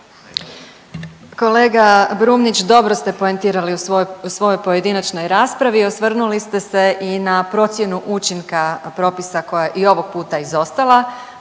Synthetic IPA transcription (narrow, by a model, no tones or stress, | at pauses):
ko̞le̞ːɡabɾuːmnit͡ɕd̪o̞bɾo̞st̪e̞po̞ent̪iːɾaliusʋo̞jojpo̞je̞d̪inat͡ʃno̞jɾaːspɾaʋio̞sʋr̩nulist̪e̞se̞ʔinapɾo̞t̪sje̞nuʔut͡ʃiŋkapɾo̞ːpisako̞jajeʔio̞ʋo̞ɡ̥̚puːt̪aizo̞st̪alˠa